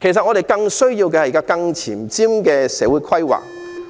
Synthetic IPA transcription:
kʰe˨˩sɐ˨ŋɔː˨˧ɾe˨jkɐ˧ŋsɵ˥ɥjiː˧wkɛː˧hɐ˨jkaː˥kɐ˧ŋt͡sʰiː˨˩mt͡siː˥mkɛː˧sɛː˨˥wuː˨˧jkʰɐ˥jwa̰ː˨˩k̚

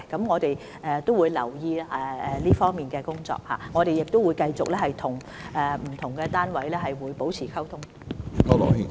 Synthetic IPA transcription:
kɐ˨˥mŋɔː˨˧t̪e˨j | ɛː˨˧t̪o˥wuː˨˧jlɐ̰˨˩wjiː˧ɛ˨˧ɛ˨liː˥fɔː˥ŋmiː˨nkɛː˧kʊ˥ŋt͡sɔ̰ː˧˨k̚ha̰ː˨˩ŋɔː˨˧ɾe˨jɪ˨k̚t̪wu˨˧jkɐ˧jt͡sʊ˨k̚lɛː˥hɐ˨jt̪ʰʊ˨˩ŋ | ɛː˨m̩˨˩t̪ʰʊ˨˩ŋkɛː˧t̪aː˥nwɐ˨˥jlɛː˥ɦɐ˨jwuː˨˧jpo˨˥wt͡sʰiː˨˩kʰɐ˥wt̪ʰʊ˥ŋ | o˥˧lɔ̰˨i˨˩

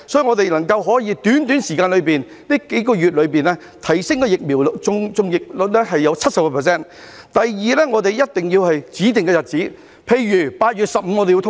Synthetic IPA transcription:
sɔː˨˥jŋɔː˨˧t̪e˨jlɐ˨˩ŋkɐ˧wɦɔː˨˥jiː˨˧t̪yː˨˥nt̪yː˨˥nsiː˨kaː˧nlɵ˨˧ɥpiː˨˩n | niː˥ke˨˥jkɔː˧jy˨t̚lɵ˨˧ɥpiː˨nɛː˥ | t̪ʰɐ˨˩jsɪ˥ŋkɛ˧jɪ˨k̚miː˨˩wlt͡sʊ˧ŋt͡sʊ˧ŋjɪ˨k̚lʊ˨˧t̚lɛː˥ɦɐ˨jːɐ˨˧wt͡sʰɐ˥t̚sɐ˨p̚kɔ˧pʰɛː˨˩s̬ɛː˥˩n | t̪ɐ˨jːiː˨lɛː˥ŋɔː˨˧t̪e˨jjɐ˥t̚t̪ɪ˨ŋjiː˧whɐ˨jt͡siː˨˥t̪ɪ˨ŋkɛ˧jɐ˨t̚t͡siː˨˥ | pʰe˧jɥyː˨˩paː˧t̚jyː˨t̚sɐ˨p̚m̩˨˧˥ŋɔ˨˧te˨jt̪ʰ

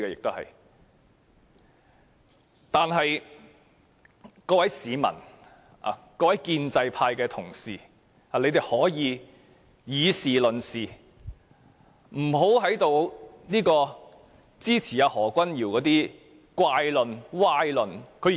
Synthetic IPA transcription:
kɛː˧jɪ˨k̚t̪o˥whɐ̰˨j | t̪aː˨nɦɐ˨j | kɔː˧wɐ˨˥jsiː˨˧mɐ̰˨˩n | a̰˨kɔː˧wɐ˨˥jkiː˧nt͡sɐ˧jpʰaː˧jkɛː˧t̪ʰʊ˨˩ŋsiː˨ | a˨le˧jt̪e˨˩hɔː˨˥jiː˨˧ | jiː˨˧siː˨lɵ˨˩nsiː˨ | m̩˨˩ɦo˨˥wɦɐ˨˥jt̪o˨wniː˥kɔː˧ | t͡siː˥t͡sʰiː˨˩jaː˨˧hɔː˨˩kʷɐ˥njiː˨˩wkɔː˨˧t̪iː˥ | kʷwaː˧jlɵ˨nwaː˧˥jlɵ˨nkʰɵ˨˧

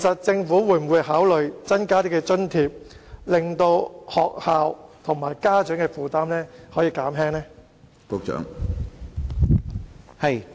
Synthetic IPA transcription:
kʰe˨˩sɐ˨t̚t͡sɪ˧ŋfuː˨˥wuː˨˧˥jm̩˨˩wu˨˧jɦaː˨˥wlɵ˨ɥt͡sɐ˥nkaː˥t̪iː˥kɛː˧t͡ʃɵ˥nt̪ʰiː˨p̚lɪ˨ŋt̪o˧whɔː˨k̚haː˨˧wt̪ʰʊ˨˩ŋmaː˨˩jkaː˥t͡sœ˨˥ŋkɛː˧fuː˨t̪aː˥mlɛː˥hɔː˨˥jiː˧kaː˨˥mɦɛː˥ŋnɛː˥ | po˨˧k̚t͡ʃœ̰ː˨˥ŋ˨

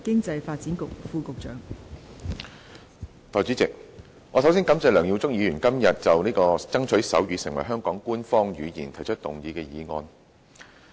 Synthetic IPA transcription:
kɪ˥ŋt͡sɐ˧jfaː˧t̚t͡si˨˥nkʊ˨k̚fuː˧kʊ˨k̚t͡ʃœː˨˩ŋ | t̪ɔː˨˩jt͡ʃy˨˥t͡sɪ˨k̚ | ŋɔː˨˧sɐ˨˥wsiː˥nkɐ˨˥mt͡sɛː˧lœː˨˩ŋji˨˧t͡sʊ˥ŋ̚jiː˨˧jyː˨˩nkɐ˥mjɐ˨t̚t͡sɐ˨wniː˥kɔː˧t͡sɐ˥ŋt͡ʃʰɵ˨˥ɥsɐ˨˥wjyː˨˧sɪ˨˩ŋwɐ̰˨˩jɦœː˥ŋkɔː˨˥ŋkuː˥nfɔː˥ŋjyː˨˧jiː˨˩nt̪ʰɐ˨˩jt͡ʃʰɵ˥t̚t̪ʊ˨˩ŋjiː˨˧kɛː˧jiː˨˧ŋɔː˧n

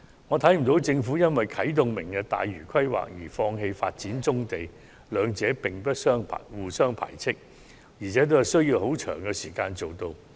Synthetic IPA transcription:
ŋɔː˨˧t̪ʰɐ˨˥jm̩˨˩t̪o˨˥wt͡sɪ˧ŋfuː˨˥jɐ˥nwɐ˨jkʰɐ˨˥jt̪ʊ˨ŋmɪ˨˩ŋkɐ˨t̪a̰ː˨jɥyː˨˩kʰɐ˥jwa̰ː˨k̚jiː˨˩fɔː˧ŋɦe˧jfa̰ː˧t̚t͡siː˨˥nt͡sʊ˥ŋt̪e˨j | lœː˨˧ŋt͡sɛː˨˥pɪ˨˩ŋpɐ˥t̚sœː˥ŋpʰa̰˨˩wuː˨˩sœː˥ŋpʰa̰ː˨˩jt͡sʰɪ˥k̚ | jiː˨˩t͡sʰɛː˨˥t̪̬o˥whɐ˨sɵ˥ɥjiː˧wɦo˨˥wt͡ʃʰœ̰ː˨˩ŋkɛː˧siː˨˩kaː˧nt͡so˨wt̪o˧w

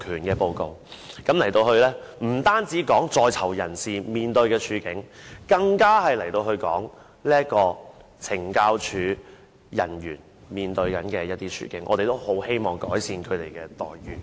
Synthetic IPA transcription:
kʰyː˨˩nkɛː˧po˧wko˨˧wkɐ˨˥mlɐ˨˩jt̪o˧whɵ˧ɥlɛː˥ | m̩˨˩t̪aː˥nt͡siː˨˥kɔː˨˥ŋt͡sɔː˧jt͡sʰɐ˨˩wjɐ˨˩nsiː˨˩miː˨nt̪ɵ˧ɥkɛː˧t͡ʃʰyː˨˧˥kɪ˨˥ŋkɐ˧ŋkaː˥hɐ˨jlɐ˨˩jt̪o˧whɵ˧ɥkɔː˨˥ŋ | liː˥ɐ˥t̚kɔː˧t͡sʰɪ˨˩ŋkaː˧wt͡ʃʰyː˨˥ | jɐ̰˨˩njyː˨˩n | miː˨nt̪ɵ˧ɥkɐ˨˥nkɛː˧jɐ˥t̚t̪iː˥t͡ʃʰy̰ː˨˧˥kɪ̰˨˥ŋʔɔ̰ː˨˧t̪e˨jt̪o˥who˨˥whe˥jmɔː˨˩ŋkɔː˨˥jsiː˧nkʰɵ˨˧t̪e˨˩jkɛː˧t̪ɔ̰ː˨jɥyː˨

